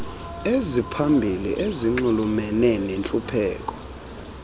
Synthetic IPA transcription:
ezipʰambʱilḭʔeziŋ͡ǃulumɛnɛnent͡ɬʼupʰɛːk̬ʼɔ̥

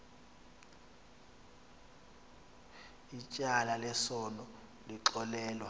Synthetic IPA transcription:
it͡ʃʼalalɛsɔnɔ | liǁɔlɛːlwa

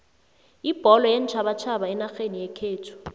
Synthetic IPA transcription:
ib̥ʱɔlɔjent͡ʃʰaβat͡ʃʰabaɛnaxenijekʰeːtʰu̥

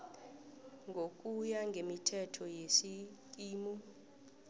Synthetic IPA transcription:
ŋɡʱok̬ʼujaŋɡʱemitʰɛtʰɔjesik̬ʼiːmu

